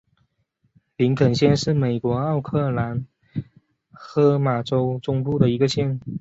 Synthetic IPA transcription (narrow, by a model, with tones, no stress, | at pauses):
li˧˥ŋkʰə˨˩nɕjɛ˥˧nʂɻ̩˥˩me˨˩ɪkwɔ˧˥ɑ˥˧ʊkʰɤ˥˩la˧˥n | xɤ˧˥ma˨˩ʈ͡ʂo˥ʊʈ͡ʂʊ˥ŋpu˥˩d̪ə˩i˧˥ɡə˧ɕjɛ˥˩n